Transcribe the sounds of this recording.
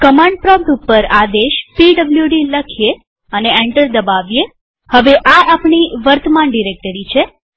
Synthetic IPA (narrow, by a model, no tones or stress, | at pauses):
kəmãɳɖ̚pɾɔb̚t̪upːəɾad̪eʃpiɖəbljuɖiləkʰije | əneɛɳʈəɾd̪əbaʋje | həʋeʔaapɳiʋəɾt̪əmanɖiɾek̚ʈəɾit͡ʃʰe